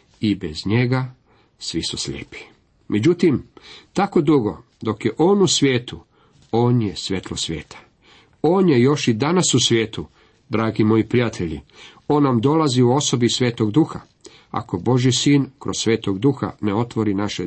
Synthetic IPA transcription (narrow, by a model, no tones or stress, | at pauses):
ibezɲe̞ɡa | sʋisuslʎeːpi̥ | me̞d͡ʑut̪imt̪ako̞d̪uɡo̞ | d̪o̞kjeʔo̞ːnusʋʲje̞ːt̪u | o̞ːnje̞sʋʲje̞t̪lo̞sʋje̞ːt̪ʰḁ | o̞ːnjejo̞ʃid̪anasusʋjeːt̪u | d̪ɾaːɡimo̞jipɾijat̪ʰe̞ʎḭ | o̞ːnːamd̪o̞laziuo̞so̞bisʋʲe̞ːt̪oɡd̪uxa | a̰ko̞bo̞ʒisiːnkɾossʋe̞ːt̪oɡd̪uxa̰neo̞t̪ʋo̞ɾinaʃe